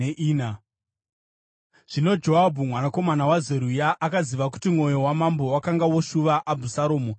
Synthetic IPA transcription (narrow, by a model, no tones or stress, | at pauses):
eʔiːna | ʐ̥ino̞d͡ʒo̞ɦabʱumwanako̞manawazeɾujaʔakaziʋaku̥timŋo̞jo̞wamambo̞wakaŋɡawoʃuʋaʔabʱusaɾoːmo